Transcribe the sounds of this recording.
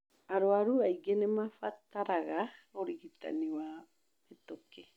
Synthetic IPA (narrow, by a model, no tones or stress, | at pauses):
aɾoaɾuaiɡɛnemafataɾaɣaoɾiɣita̰niwa | metokɛ